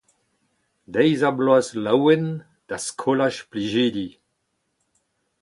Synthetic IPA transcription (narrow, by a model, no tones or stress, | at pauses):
d̪ɛjzabloazlawen | d̥askʰolaʃpliʒiːdi